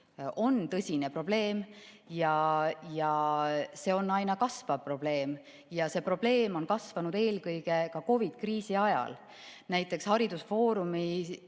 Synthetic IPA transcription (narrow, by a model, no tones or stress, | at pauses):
o̞nt̪ɤsʲine̞pro̞b̥le̞ːm | jɑjɑse̞o̞nːɑjnɑkɑsvɑvpro̞b̥le̞ːm | jɑse̞pro̞b̥le̞ːmo̞nkɑsvɑnud̪̥e̞ːlkɤjɡ̥e̞kɑko̞vid̪̥kriːsiɑjɑ̰l | næjt̪ːˑe̞kshɑɾid̪̥usfo̞ːɾumi